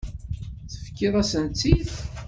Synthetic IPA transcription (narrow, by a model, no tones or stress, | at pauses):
θəfkːɪðˤæsənt͡s̪ːiθ